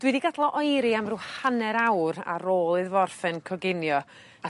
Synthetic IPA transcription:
d̥wɨdiɡadlˠɔʔɔjɾiamruːhanɛɾawɾa̰ɾoːlˠɨðvɔrfɛnkʰɔɡɪnjɔ | a

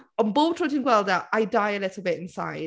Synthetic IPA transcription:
ə̃nboʊtʰɹ̥ʊtɪ̃ŋɡwɛlˠdəaɪdaɪəlɪtˡl̩ˠbɪtɪ̃nsa̰ɪ

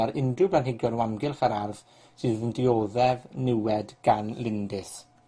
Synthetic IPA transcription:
ɛɾɪndʊblanɦɪɡjɔnwamɡɪlˠχaɾarð | sɨðəndɪoːðɛvnɪwɛdɡ̥anlɪndɪs

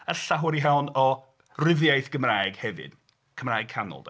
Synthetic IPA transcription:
əɬaɦwəɾiɦawnɔ | rɪvjajθɡ̥əmraːjɡ̥hɛvɨ̰d̥ | kʰəmraːjɡ̚kʰanɔ̰lˠd

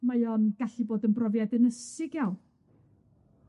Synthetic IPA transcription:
majɔnɡ̥aɬiboːdənbrɔvjadɛnəsɪɡjaw

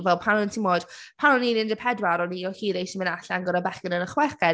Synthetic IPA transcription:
vɛlˠpʰanʊntʰimoːd̥pʰanʊninɪndəpʰɛdwaɾɔniɔhiːðejʃimə̃naɬanɡɔɾabɛχənənəχwɛkɛ

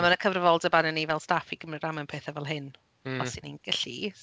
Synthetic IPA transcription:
amanəkʰəvrəvɔlˠdəbanɛnivɛlˠstafiɡ̥əmrɪɡramɛnpʰeːθavɛlˠɦɪn | ɔsininɡəɬḭ

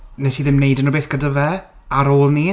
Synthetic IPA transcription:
nɛsiðɪmnejdənɔbeːθɡ̥adəvɛ | aɾoːlˠni

